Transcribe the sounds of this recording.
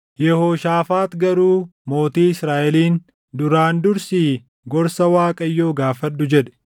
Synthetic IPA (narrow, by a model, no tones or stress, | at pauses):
jɛhoːʃaːfaːt̪ɡɐɾuːmo̞ːt̪iːɪsɾaːʔɛliːn | d̪ʊɾaːnd̪ʊɾsiː | ɡɔɾsɐwaːkʼɐjːo̞ːɡaːfɐd̪ːʊd͡ʒɛᶑɛ̥